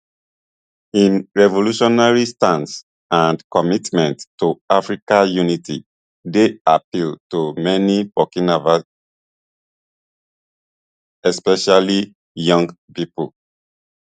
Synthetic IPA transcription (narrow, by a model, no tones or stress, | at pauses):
ĩnɹɛvoluʃɔnaɹistãns | ãndkɔmitmɛ̃nttːuafɹikajunitʰḭ | deapiltumɛnibɔkinavas | ɛspɛʃali | jɔ̃ŋɡ | pipul